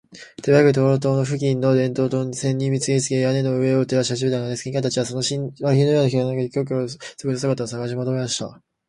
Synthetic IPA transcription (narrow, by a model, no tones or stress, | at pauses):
t̪eβakɯ̟t̪̬oːɾot̪o̞ːno̞ɸɯ̟ɡʲĩnːo̞d̪ẽ̞nt̪o̞ːt̪osẽ̞ɲʲːĩmʲːit͡sɨɡet͡sɨɡʲejane̞no̞ɯ̟e̞ot̪eɾaɕihaɕibet̪and̪esɨ̥kĩkat̪at͡ɕiβasonoɕiβaçʲinojoːnaçinakad̪ekʲo̞ːk̬oso̥kɯnosakat̪asaɡaɕ̬imod̪omemaɕi̥t̪a̰